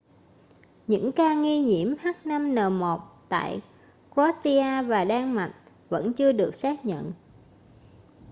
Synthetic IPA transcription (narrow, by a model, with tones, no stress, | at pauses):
ɲɨ̰˧˥ŋkaː˧ŋi˧ɲi˧˩əmha˦˥t̚na˧mnəː˨˩mo˨˩t̚t̪a̰ː˧˨j | kwɔ˦˥ti˧aː˧vaː˨˩ɗaː˧ŋma̰˨˩˨jŋ̟̚ | və̰˧˥nt͡ɕɨ˧əɗɨ˨˩ək̚saː˦˥k̚ɲə̰˧˨n